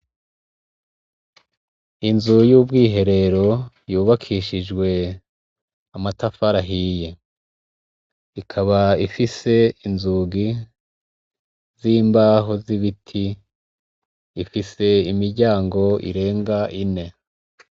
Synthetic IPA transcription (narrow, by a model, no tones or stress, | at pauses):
inzujuːbɡiːɦe̞ɾe̞ɾo̞ | juːβakʰiːʃid͡ʒɡwe̞ | amatafaɾaɦije | ikʰaβaifise̞inzuɡi | ziːmbaːɦoziβitʰi | fise̞imiɾɟaːŋɡo̞ḭɾe̞ːŋɡaʔine̞